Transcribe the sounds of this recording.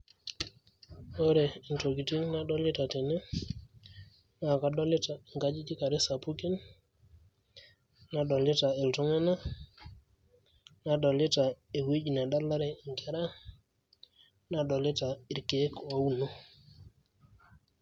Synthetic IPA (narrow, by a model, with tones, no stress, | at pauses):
o˦ɾe˨i˨nto˨ɡi˨ti˦ŋna˦ɗɔ˦lɪ˦ta˨te˨ne˦ | na˨ka˨ɗɔ˦lɪ˦ta˨i˨ŋka˦d͡ʒi˦d͡ʒi˦ka˨ɾe˦sa˨pu˦ki˦n | a˨ɗɔ˨lɪ˦ta˨e˨ltɔ˦ŋɛ˦na˦ | na˨ɗɔ˨lɪ˦ta˨e˨we˦d͡ʒi˨na˨ɗa˦la˦ɾɛ˨ŋkɛ˦ɾa˦ | na˨ɗɔ˨lɪ˦ta˨i˨ɾke˨˦ko˨u˦no˦